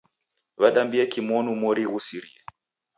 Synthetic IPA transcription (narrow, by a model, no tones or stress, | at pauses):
βaɗambiɛkimɔnumɔɾiɣusiɾiɛ